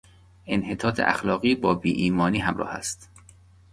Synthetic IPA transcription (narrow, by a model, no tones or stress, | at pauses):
enhe̞t̪ʰɒːt̪ʰḛʔæ̰xlɒːɣiːbɒːbiːʔiːmɒːniːɦæmɾɒ̰ːhæ̰st̪